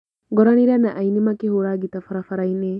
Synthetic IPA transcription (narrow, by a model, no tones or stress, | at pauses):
ɡɔɾɐniɾɐnaʔɐjnimɐkehuɾaɡit̪ɐfɐɾɐfɐɾɐjne